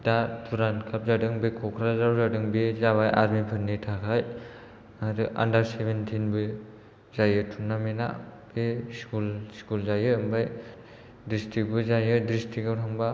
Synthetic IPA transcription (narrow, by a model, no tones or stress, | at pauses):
datʰuɾankʰap̚zadɯŋbɯkʰɔkʰɾazawzadɯŋbezabajʔa̰ɾmipʰɯɾnitʰakʰaj | aɾɯʔa̰ndaɾsebʱentʰinbɯ | zajɯtʰunːamena̰b̥eskulskulzajɯɯmbaj | distik̚bɯzajɯdɾistʰikawtʰaŋba